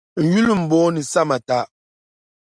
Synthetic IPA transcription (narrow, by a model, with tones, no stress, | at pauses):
n̩˨ju˦lɨ˦m̩˨bɔː˦nɨ˨sa˦ma˨ta˨˦ʔ